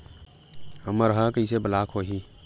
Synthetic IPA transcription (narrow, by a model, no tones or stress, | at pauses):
əməɾəɦakəisebəlaːkɦoːɦiː